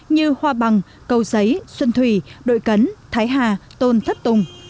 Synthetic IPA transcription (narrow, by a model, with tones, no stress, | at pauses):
ɲɨ˧hwaː˧ɓa˨˩ŋ | kə˨˩wzə˨˦jswə˧nt̪ʰwi˧˩ɗo̰˧˨jkə˨˦nt̪ʰaː˨˦jɦaː˧˩t̪o˧nt̪ʰə˦˥p̚t̪ʊ˨˩ŋ͡m